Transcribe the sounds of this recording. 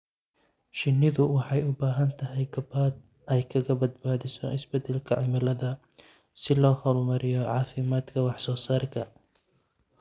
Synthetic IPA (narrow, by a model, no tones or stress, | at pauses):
ʃɪnːɪðʊwɑħɑjʊbaːɦɐnt̪ʰɐɦɛjɡɐbaːd̪̚ | ʔɛjkʰɐɣɐbɐd̪baːðɪsɔ̰ʔɪsbɛd̪ɛlkʰɐʕɪmɐlɐðɐ | sɪlɔːhɔlmɐɾɪjɔʕɑːfɪmaːd̪kʰɐwɑħsɔːsaːrkʰɐ